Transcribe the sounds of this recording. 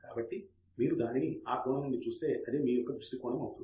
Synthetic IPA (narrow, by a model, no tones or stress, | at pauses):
ka̰ːbɐʈːi | miːɾud̪aːniniaːpɾoːɳɐnunːit͡ʃuːst̪e̞ːʔɐd̪e̞ːmiːjɔkːɐd̪ɾuʂʈikɔːɳɐmɐwut̪un